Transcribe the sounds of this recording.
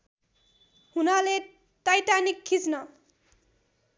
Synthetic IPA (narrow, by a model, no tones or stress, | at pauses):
hunʌle | tajʈanikʰːit͡snʌ